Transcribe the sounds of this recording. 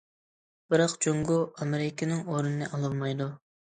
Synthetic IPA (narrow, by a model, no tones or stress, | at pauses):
b̥ɪɾɑqd͡ʒoŋɡuɑmeɾɪkʲʰɪnɪŋoɾunɨnɨʔɑlˠɨlˠmɑjd̪u